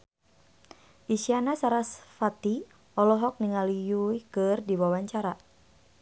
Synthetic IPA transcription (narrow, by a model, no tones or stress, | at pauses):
ʔisianasaɾasfat̪i | ʔɔlɔɦɔk̚niŋalijuikɨrdiwawaɲt͡ʃaɾa